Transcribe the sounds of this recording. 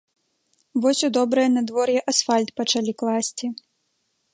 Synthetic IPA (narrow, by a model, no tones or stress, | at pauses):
vɔsʲud̪ɔbɾɐjɛnɐd̪vɔrjɛʔɐsfalʲt̪pɐt͡ʂalʲiklˠasʲt͡sʲi